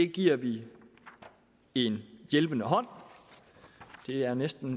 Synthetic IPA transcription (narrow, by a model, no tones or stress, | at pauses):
e̝ɡ̥iɐ̰ʋi | e̝njelb̥ənəɦɒ̽n̰ | d̥e̝æɐnesd̥n̩